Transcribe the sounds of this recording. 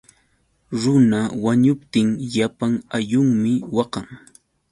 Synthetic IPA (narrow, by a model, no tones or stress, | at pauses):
ɾʊnawaɲʊpt̪ɪŋʎapaŋajʊŋmɪwɑqɑŋ